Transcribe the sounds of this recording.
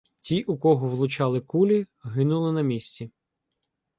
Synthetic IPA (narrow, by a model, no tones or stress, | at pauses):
tʲiʔukɔɦɔʋlˠʊt͡ʃɑlˠɪkulʲiɦɪnulˠɪnɐmʲisʲt͡sʲi